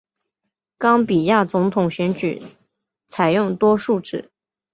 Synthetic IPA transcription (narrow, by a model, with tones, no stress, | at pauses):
kɑ˥ŋpi˨˩ja˥˩t͡sʊ˧˥ŋt̪ʰʊ˨˩ŋɕɥɛ˧˥nt͡ɕy̰˨˩˦ | t͡sʰa˨˩ɪjʊ˥˩ŋt̪wɔ˥ʂu˥˧ʈ͡ʂɻ̩˨˩˦